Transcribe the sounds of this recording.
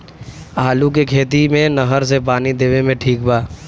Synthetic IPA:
aːlũk̬ekʰeːt̪̬imẽnɐɦəɾs̬epaːnid̪eːʋemẽʈʰiːkbaː

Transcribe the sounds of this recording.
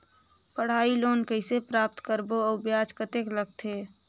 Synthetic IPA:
pəɽ̤aːiloːnkəɪsepɾaːp̚t̪kəɾboəːbjaːd͡ʒkət̪ekləɡ̚t̪ʰeː

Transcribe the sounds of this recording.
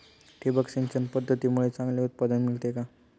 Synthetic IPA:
ʈʰibəksent͡ɕənpəd̪ʱːət̪imuɭet͡sãŋɡleut̪̚pad̪ənmilt̪eka

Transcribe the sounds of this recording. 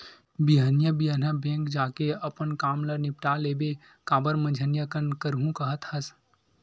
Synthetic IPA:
biɦənjəbiənəbẽːŋkd͡ʒaːkeɐpənkaːmlɐnɪpʈaleːbe | kaːbəɾmə̃nd͡ʒʱənjəkənkəɾɦũkɐɦət̪hɐs

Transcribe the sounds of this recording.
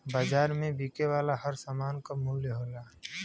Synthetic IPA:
baːd͡ʒaːɾmẽbʱiːkewaːlaɦəɾsamaːnkamʊljəɦoːlaː

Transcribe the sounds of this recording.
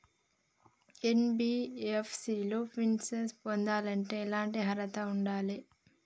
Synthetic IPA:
enbiːepʰsiːloːpʰinsespond̪aːlɐɳʈe̞ːlaːɳʈiɦɐɾɐt̪ɐuɳɖaːli

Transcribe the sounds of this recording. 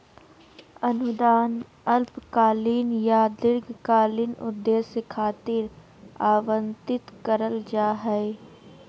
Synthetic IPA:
ənʊd̪aːn | əlpkaːliːnjaːd̪ɪɾɡkaːlinʊ̰d̪ːeːsekʰaːt̪ɪɾ | aːʋə̃nt̪ɪt̪kəɾəld͡ʒaːɦɛe

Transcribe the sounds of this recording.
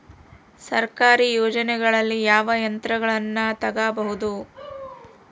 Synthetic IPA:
sɐɾkaːɾijoːd͡ʒɐnɛɡɐɭɐlːijaːʋɐjɐnt̪ɾɐɡɐɭɐnːɐt̪ɐɡaːbɐɦud̪u

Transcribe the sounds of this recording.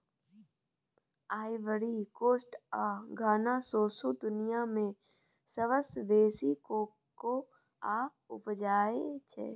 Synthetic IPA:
aːɪʋəɾikoːʃʈaːɡʱaːnaːsoːsod̪ʊnɪjamẽ | səʋəsʋeːsikoː | ko | aː | ʊpd͡ʒaːet͡ʃʰḛ

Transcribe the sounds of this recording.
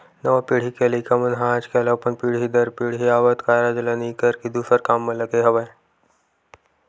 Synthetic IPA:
nəʋapiɽ̤ikelikamənɦãt͡ʃkɛlapəɳpiɽ̤id̪əɾpiɽɦiaʋət̪kaɾad͡ʒlaniikəɾkid̪usəɾkamːələɡeɦəʋaj

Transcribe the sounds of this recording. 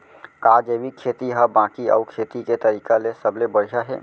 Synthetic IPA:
kaːd͡ʒebikʰeːt̪iɦəbãːkiɔ̰ːkʰeːt̪iket̪əɾiːkalesəblebəɽ̤ijaɦɛ̰ː

